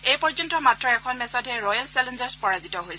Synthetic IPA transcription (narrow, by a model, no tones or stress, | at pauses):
ejpɔɹzɔntɔmatɹɔɛkʰɔnmɛsɔdɦɛɹɔjalsɛlɛnd͡ʒɔɹspɔɹazitɔɦojs